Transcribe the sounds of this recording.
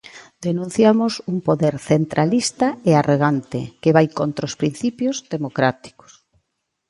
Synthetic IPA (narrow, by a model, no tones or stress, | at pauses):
d̪enũn̟θjamʊsuŋpoðeɾθent̪ɾʔalist̪ɐearoɣ̞ant̪ḛkeβajkont̪ɾaospɾin̟θipjozðemokɾat̪i̥kʊ̥s